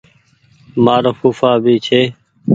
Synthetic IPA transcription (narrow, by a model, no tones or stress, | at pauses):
maːɾəfuːfaːbiːt͡ʃʰeː